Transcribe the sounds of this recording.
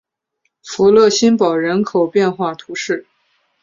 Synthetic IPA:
fu˧˥lɤ˥˩ɕi˥npɑ˨˩ʊɻə˧˥nkʰo˨˩ʊpjɛ˥˧nxwa˥˩t̪ʰu˧˥ʂɻ̩˥˩

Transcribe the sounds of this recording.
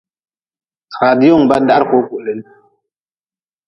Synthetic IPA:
ɾa˨di˦o˦ŋba˦n˦da˦ɾko˨˦ku˨ʔle˨˦n

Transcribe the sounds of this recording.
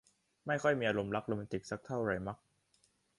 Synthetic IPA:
ma˥˩jkʰɔ˥˩jmiː˧ʔa˧ɾo˧mla˦˥k̚lo˧mɛ˧t̪i˨˩k̚sa˦˥k̚t̪ʰa˥˩wɾa˧˩jma˦˥k̚

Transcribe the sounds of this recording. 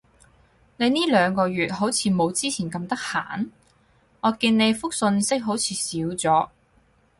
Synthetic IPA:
ne˨˧jniː˥lœː˨˧ŋkɔː˧ɥyː˨t̚ɦo˨˥wt͡sʰiː˨˧mo˨˧wt͡siː˥t͡sʰiː˨˩nkɐ˧mt̪ɐ˥k̚ha̰ː˨˩˨n | ŋɔː˨˧kiː˧nne˨˧jfʊ˥k̚sɵ˧nsɪ˥k̚ɦo˨˥wt͡sʰiː˨˧siː˨˥wt͡sɔː˨˥

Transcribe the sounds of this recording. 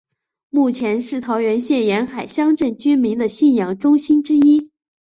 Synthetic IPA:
mu˥˩t͡ɕʰjɛ˧˥nʂɻ̩˥˩t̪ʰɑ˧˥ʊɥɛ˧˥nɕjɛ˥˩njɛ˧˥nxa˨˩ɪɕjɑ˥ŋʈ͡ʂə˥˩nt͡ɕy˥nmi˧˥ŋd̪ə˧ɕi˥˩njɑ˨˩ŋʈ͡ʂʊ˥ŋɕi˥nʈ͡ʂɻ̩˥i˥

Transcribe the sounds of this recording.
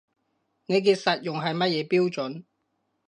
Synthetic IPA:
ne˨˧jk̬iː˧t̚sɐ˨t̚jʊ˨ŋɦɐ˨jmɐ˥t̚jɛː˨˧piː˥wt͡ʃɵ˨˥n

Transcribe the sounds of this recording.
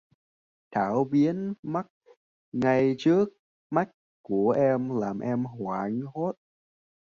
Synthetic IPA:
t̪ʰaː˧˩wɓi˨˦ənma˦˥k̚ | ŋa˨˩jt͡ɕɨ˦˥ək̚ | ma˦˥jk̚ | ku˧˩əʔɛ˧mlaː˨˩mʔɛ˧mhwaː˧˩ŋɦo˦˥t̚

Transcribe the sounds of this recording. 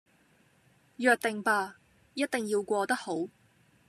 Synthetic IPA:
jœː˨k̚t̪ɪ˨ŋpaː˧ | jɐ˥t̚t̪ɪ˨ŋjiː˧wkʷɔː˧t̪ɐ˥k̚ho˨˥w

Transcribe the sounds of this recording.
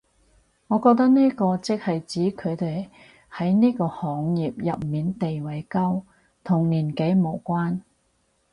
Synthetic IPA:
ŋɔː˨˧kɔː˧k̚t̪ɐ˥k̚niː˥kɔː˧t͡sɪ˥k̚hɐ˨jt͡siː˨˥kʰɵ˨˧ɥt̪e˨j | hɐ˨˥jniː˥kɔː˧hɔː˨˥ŋjiː˨p̚jɐ˨p̚miː˨˧nt̪e˨jwɐ˨˧jkɐ˥w | t̪ʰʊ˨˩ŋliː˨˩nke˨˥jmo˨˩wkʷaː˥n

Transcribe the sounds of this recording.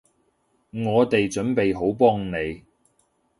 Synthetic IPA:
ŋɔː˨˧t̪e˨jt͡ʃɵ˨˥npe˨jɦo˨˥wpɔː˥ŋne˨˧j

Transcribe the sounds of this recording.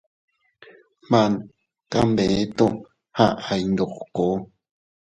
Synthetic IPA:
mã˨n | ka˧mbe˨e˦t̪o˦˧ | ha˦˨ʔa˨jnd̪o˨qko˨˦

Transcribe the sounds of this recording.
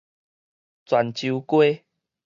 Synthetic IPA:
t͡swa˨˩nt͡ɕu˧kwe˦

